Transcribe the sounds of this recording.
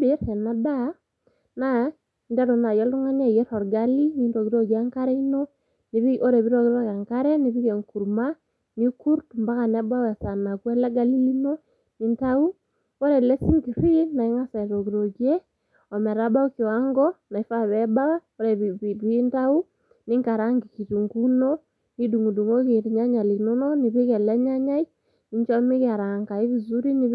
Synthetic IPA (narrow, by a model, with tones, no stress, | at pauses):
bi˨˦ɾhɛ˨na˨da˦ | na˦˨ | nda˦ɾo˨na˨jɔ˦lu˦ŋa˦nɛ˦˨jɛ˦ɾɔ˨ɾɡa˦li˦ni˦nɾo˨ki˦ɾo˦ɡi˨a˦ŋka˦ɾɛ˦i˦no˦ | ni˨βio˦ɾɛ˨βi˦ɾo˨ki˦ɾɔ˦ka˨ŋka˦ɾɛ˦ni˨βi˦ke˨ŋku˨ɾma˦ | ni˦ku˦ɾtu˨mba˦ka˨nɛ˦ba˦wɛ˨sa˨na˨kwɛ˦la˦ɡa˦li˦li˦no˦ | ni˨nta˦u˦ | ɔ˦ɾɛ˨lɛ˦si˦ŋɡi˨ɾwi˦na˨i˦ŋa˦sa˨ɾɔ˨ɣi˨ɾɔ˨ɣjɛ˦ | ɔ˨mɛ˨ɾa˦ba˦u˦ki˨wa˦ŋɡɔ˦na˨i˦fa˦βɛ˦ba˦wɔ˦ɾɛ˨ββi˦ntau˦ | ni˦ŋka˨ɾa˦ŋɡi˨ki˨tu˨ŋɡu˦nɔ | ni˦du˨ŋu˨du˨ŋo˦ɣe˨ɾi˨ɲa˦ɲa˨li˨no˦nɔ˦ni˨βe˦ɣɛ˨lɛ˦ɲa˦ɲa˦i˦ | ni˨˦ɲt͡ʃɔ˦mi˦ɣa˨ɾa˨ŋɡa˨e˦βi˨zu˦ɾi˦ni